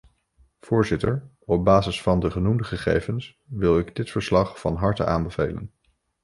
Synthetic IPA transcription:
v̥ʊːɹzɪtəɹ | ɔb̚baːzɪsfɑndəχənumdəχəχḛjvəns | ʋɪlˠɪɡdɪtfəɹslɑχfɑnɦɑɹtə̰ʔaːmbəvḛjlə̰n

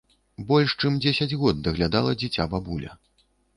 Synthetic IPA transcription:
bɔlʲʂt͡ʂɨmd͡zʲesʲɐd͡zʲɣɔd̪̚ːɐɣlʲad̪alˠɐd͡zʲit͡sʲababulʲɐ̰

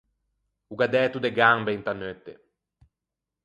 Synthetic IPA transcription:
uɡad̪ɛːt̪ud̪eɡambeint̪anøt̪ːe

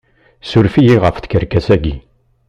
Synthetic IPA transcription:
sʊɾfijiʁəfθə̥kəɾkæsæɡi

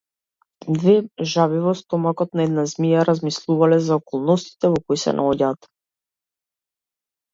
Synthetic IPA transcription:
d̪vɛʒavivɔst̪ɔmakɔt̪naɛd̪nazmijaɾazmislˠuvalɛzaɔkɔlˠnɔst̪i̥t̪ɛvɔkɔisɛ̰na̰ɔɟaːt̪

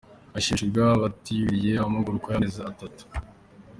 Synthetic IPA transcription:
aʃiʃubɡaβatiβiɾijeaamaɡuɾukojanezaatatu̥

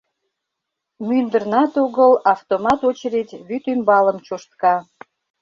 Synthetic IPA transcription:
mynd̪ərnɑt̪oɣəlɑft̪omɑt̪ot͡ɕəɾit̪ʲβyt̪ymbɑləmt͡ɕoʃt̪kɑ

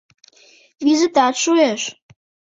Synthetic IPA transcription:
vizit̪ɑt̪ʃueʃ

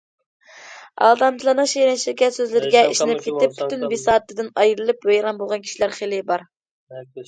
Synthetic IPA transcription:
ɑ̰lˠd̪ɑmt͡ʃ̪ʰɨlˠɑnɨŋʃejɾɛnt͡ʃʰilkʲɛsøzlɪɾɪɡʲɛʔiʃnɪnp̚kʲʰet̪ɪp̚ːyt̪ynbisɑːt̪ːɪd̪ɪnɑjɾɨlˠɨpwejɾɑnbolˠʁɑnkʲʰi̥ʃilæɾχelɪbɑɾ

